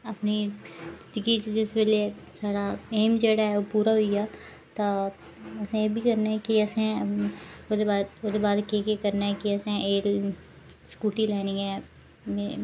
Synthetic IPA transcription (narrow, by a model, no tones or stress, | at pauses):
ɐpnidɪd̪ɡid͡ʒɪsbelesaːɽaeːmd͡ʒeːɽaɦɛopuːɾaɦʊiaː | t̪a | ɐsẽebʱikɐɾnaɦɛkiɐsɛ̃ | od̪eaːod̪ebaːd̪kekekɐɾnaɦɛ̃kiɐsẽeːl | skuːʈĩlaːnɪ̃ŋɡɛ̃ː | me